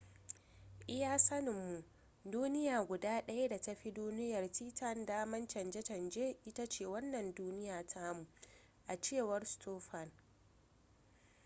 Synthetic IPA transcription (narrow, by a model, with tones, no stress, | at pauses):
ʔɪ˦jaː˦sɐ˦nɪ˨mːu˨ | duː˦nɪ˦jaː˨ɡʷʊ˨daː˦ɗɐ˦ja˦da˨tɐ˦ɸi˦duː˦nɪ˦jɐ˨rtiː˦tʰɐ˦ndaː˦mɐ˦nt͡ʃɐ˨nd͡ʒɛ˦tɐ˨nd͡ʒeː˦ʔɪ˦ta˦t͡ʃeː˦˨wɐ˦nːɐ˨nduː˦nɪ˦jaː˨tʰaː˦mu˨ | ʔa˨t͡ʃeː˦˨wɐ˦rstʰoː˦ɸa˨n